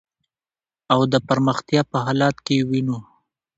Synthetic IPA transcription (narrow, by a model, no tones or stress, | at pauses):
awd̪əpaɾməxt̪jɑpəɦɑlɑt̪kewino